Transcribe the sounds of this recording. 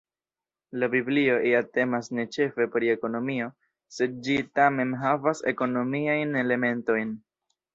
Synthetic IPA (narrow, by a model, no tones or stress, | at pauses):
labiblio̞ʔiate̞masne̞t͡ʃe̞fe̞pɾie̞ko̞no̞mio̞ | se̞d̚d͡ʒitame̞nɦavase̞̰ko̞no̞miajne̞le̞me̞nto̞jn